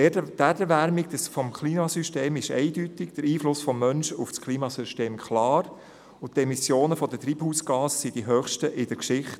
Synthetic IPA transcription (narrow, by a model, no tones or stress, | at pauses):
dædəɾʋæɾmɪɡ̚dəsfɔmkʰliːmɑsyʃteːmɪʃɛ̰ɪdytɪɡd̥̪əɾiːflʊsfɔmːœnʃufskʰliːmɑsyʃteːmkʰχlɑːɾ | ʊt̪ːɛmisjoːnəfɔd̥̪ətɾiːbhuːsɡ̥ɑːsəsid̥iɦøːχʃtəʔɪd̥əkʃɪχt